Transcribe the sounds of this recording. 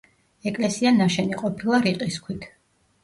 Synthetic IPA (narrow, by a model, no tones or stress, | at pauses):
ɛkʼlɛsianaʃɛniqʼɔpʰilˠaɾiqʼiskʰwit̪ʰ